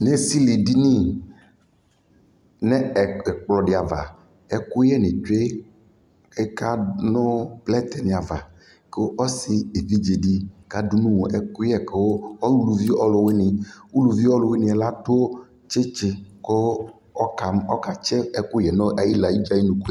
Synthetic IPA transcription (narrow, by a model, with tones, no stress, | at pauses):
ne˦si˦li˨di˦nĩ˦ | nɛ̃˦ɛ˨ɛ˨k͡plɔ˨ɖɪ˨a˨va̰˨ | ɛ˨ku˦jɛ˦˨nĩ˨t͡ʃe˦ | e˦ka˦nʊ̃˦plɛ˦t̪ɛ˨nĩ˨a˨va˨ | ke˦o˦ɔ˦si˦e˨vi˦d͡ʒe˨di˦˨ka˦du˦nũ˦wo˨ʔɛ˨ku˦ɛ˦ke˨wo˦ɔ˦u˦lu˨vi˦ɔ˦lʊ˨we˦nĩ˨u˦lu˨vi˦ɔ˦lo˨we˦nĩ˨ɛ˨la˦to˦o˦ | t͡ʃe˦t͡ʃe˦ko˦ | ɔ˦ka˨ɔ˦ka˨t͡ʃɛ˦ɛ˨ku˦jɛ˨nɔ˦ʔa˨ji˦la˨ji˦d͡ʒa˦i˦nũ˨ku˦